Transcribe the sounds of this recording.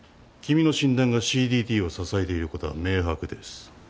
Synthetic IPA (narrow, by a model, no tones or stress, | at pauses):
kʲimʲino̞ɕĩnd̪ãŋɡaɕiːd̪ʲiːt̪ʲiːo̞sasaet̪e̞iɾɯ̟ko̞t̪oβa̰me̞ːɦakɯ̟d̪e̞sɨ̥